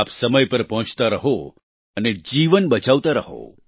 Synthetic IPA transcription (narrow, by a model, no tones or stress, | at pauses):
apsəməjpəɾpəɦɔ̃t͡ʃt̪aɾəɦo | əned͡ʒiʋənbət͡ʃaʋt̪aɾəɦo̰